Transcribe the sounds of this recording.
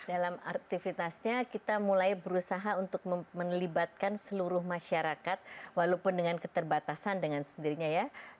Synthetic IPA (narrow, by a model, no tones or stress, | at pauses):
d̥alama̰k̚t̪ifit̪asɲakit̪amulajbəɾusaɦaunt̪ʊk̚mmənlibat̪̚kansəluɾʊhmaʃaɾakat̪̚walopʊndəŋankət̪ərbat̪asandəŋansəndiɾiɲaja